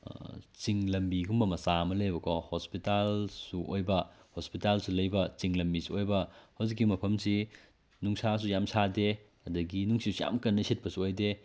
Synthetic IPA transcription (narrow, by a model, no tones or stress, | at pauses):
t͡ʃiŋlɐmbiɡumbɐmɐsamɐlɐjbɐkʰɔhospitalsuʔojbɐ | hospitalsulɐjbɐt͡ʃiŋlɐmbisuojbɐhawzik̬ːimɐpʰɐmsi | nuŋsas̬ujamsade | ɐdɐɡinuŋsisuja̰mkɐnːɐset̚pɐsuojde